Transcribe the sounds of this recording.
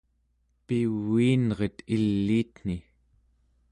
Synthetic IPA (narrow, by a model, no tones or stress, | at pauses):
piwːiːnʁe̞t̪ilːiːt̪n̥i